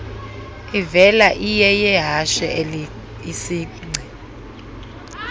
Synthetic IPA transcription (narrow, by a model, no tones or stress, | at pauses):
ivɛlaʔijɛjɛɦaʃɛ̰ | isiː | ŋ͡ǀʱɛ